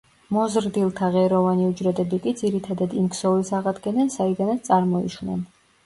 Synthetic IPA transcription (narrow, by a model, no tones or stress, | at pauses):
mɔzɾd̪ilˠt̪ʰaʁɛɾɔvaniud͡ʒɾɛd̪ɛbikʼid̪ziɾit̪ʰad̪ad̪imksɔlisaʁad̪ɡɛnɛnsaid̪anat̪t̪sʼaɾmɔḭʃnɛ̰n